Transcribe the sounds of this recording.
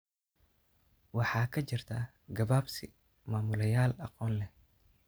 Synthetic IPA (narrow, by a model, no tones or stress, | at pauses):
wɑħɑːkʰɐt͡ʃɪrt̪ʰɐː | ɡɐβaːbsɪ | maːmʊlɐjaːlɑqɔːnlɛ